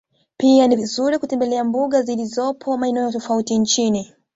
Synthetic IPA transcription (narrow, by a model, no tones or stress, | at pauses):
pianivizuɾikutɛmbɛlɛambuɠazilizɔpʰɔmaɛnɛjɔtɔfautiɲt͡ʃini